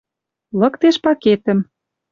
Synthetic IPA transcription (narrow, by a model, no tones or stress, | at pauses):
lɤ̆kt̪eʃpɑket̪ə̆m